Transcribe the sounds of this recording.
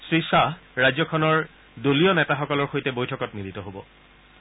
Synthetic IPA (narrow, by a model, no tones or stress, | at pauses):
sɹisaɹazɔkʰɔnɔɹ | doliɔnɛtaxɔkɔlɔɹxojtɛbojtʰɔkɔtmilitɔɦobɔ̰